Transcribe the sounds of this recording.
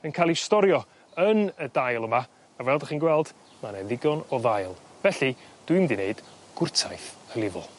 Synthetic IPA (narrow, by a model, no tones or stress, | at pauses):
ənkʰaːlˠistɔɾjɔ | ənədajlˠəma | avɛlˠdəχiːnɡwɛlˠd̥ | manɛðɪɡɔnɔðajlˠvɛɬid̥wɨmdineɨd̥ɡ̥ʊrtʰa̰jθəlˠɪðɔ̰lˠ